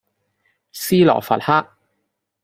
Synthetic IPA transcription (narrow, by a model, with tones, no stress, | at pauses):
siː˥lɔ̰ː˨˩fɐ̰˨t̚haː˥k̚